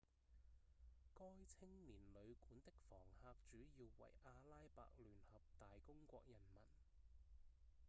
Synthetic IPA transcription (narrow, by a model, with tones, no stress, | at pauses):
kɔː˥jt͡sʰɪ˥ŋliː˨˩nlɵ˨˧ɥkuː˨˥nt̪ɪ˥k̚fɔː˨˩ŋhaː˧k̚t͡ʃyː˨˥jiː˧wwɐ̰˨˩jʔaː˧laː˥jpa̰ː˧k̚lyː˨˩nhɐ˨p̚t̪aː˨jkʊ˥ŋkʷɔ̰ː˧k̚jɐ˨˩nmɐ˨˩n